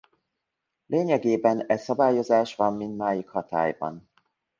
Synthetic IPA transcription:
lʔeːɲɛɡeːbɛnɛsɒbaːjo̞zaːʃʋɒmːint̪maːjikhɒt̪a̰ːjbɒ̰n

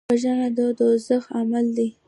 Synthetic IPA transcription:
aʒanad̪əd̪əzəxamald̪i

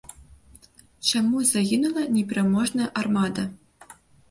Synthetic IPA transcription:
t͡ɕamuzaɣʲinulˠɐnʲeprʲamoʐnɐʔarmɑd̪a

